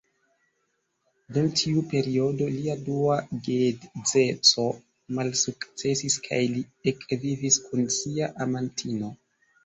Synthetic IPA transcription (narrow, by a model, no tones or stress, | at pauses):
dumtʰiupe̞ɾio̞do̞liaduaɡedd͡ze̞t͡so̞ | malsukt͡se̞siskʰa̰jliekviviskunsiaʔamantʰino̞